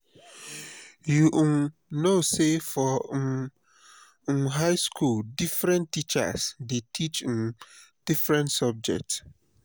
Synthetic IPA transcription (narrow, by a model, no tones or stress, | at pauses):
juʔ | nosefɔ | ɦaɪskʰuldifɹɛ̃ntːit͡ʃa̰sdetʰit͡ʃmd̥ifɹɛ̃ntsɔb̚d͡ʒɛ̰k̚ts